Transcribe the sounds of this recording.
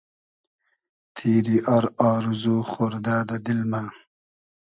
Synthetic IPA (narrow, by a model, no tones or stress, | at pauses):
t̪ʰiːɾiʔaɾaːɾuzuχoɾd̪aːd̪ɐd̪ilma